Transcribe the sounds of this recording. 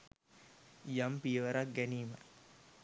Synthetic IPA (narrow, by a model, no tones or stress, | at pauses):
jampijəʋəɾak̚ɡæniːmə